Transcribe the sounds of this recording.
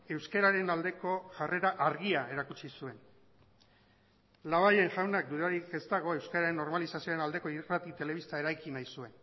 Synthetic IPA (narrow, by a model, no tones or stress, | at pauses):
e̞wske̞ɾaɾe̞nald̪e̞ko̞ʝare̞ɾaʔaɾɣiae̞ɾakut͡ʃisue̞n | laβaje̞ŋʝawnak̚d̪uɾaɾike̞st̪aɣ̞o̞e̞wskaɾaɾe̞nːo̞ɾmalisasioɾe̞nald̪e̞ko̞irat̪it̪e̞le̞βist̪ae̞ɾajkinajsue̞n